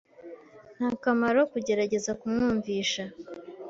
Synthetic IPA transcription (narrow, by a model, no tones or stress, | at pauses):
n̥haːkamaɾo̞kuɟe̞ɾaɟe̞zakumŋuːɱviːʃa